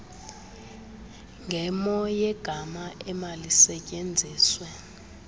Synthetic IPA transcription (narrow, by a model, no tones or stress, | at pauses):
ŋɡʱɛmɔjɛɡ̥ʱamaɛmalisɛcʼend͡zʱiːswɛ